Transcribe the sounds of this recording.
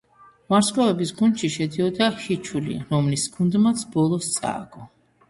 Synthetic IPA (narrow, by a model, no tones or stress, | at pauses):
maɾskʼɔvɛbisɡund̪ʃiʃɛd̪iɔd̪ahit͡ʃʰulḭɾɔmlisɡund̪mat̪sʰbɔlˠɔst̪sʼa̰ːɡɔ